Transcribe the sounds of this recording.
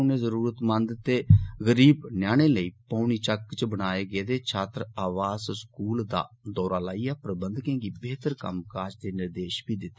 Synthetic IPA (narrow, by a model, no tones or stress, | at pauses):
neːzəɾuːɾət̪mənd̪t̪eːɣəɾiːbnjaːɽ̃eːləiːpaːɳ̃iːt͡ʃəkt͡ʃbənaːeːɡeːd̪eːt͡ʃʰaːt̪ɾaːʋaːzskuːld̪a̰ːd̪ɔːɾaːlaːiːɛːpɾəbənd̪kẽːɡiːbeːt̪əɾkə̰mkaːd͡ʒd̪eːnɪɾd̪eːʃbiːd̪ɪt̪ːe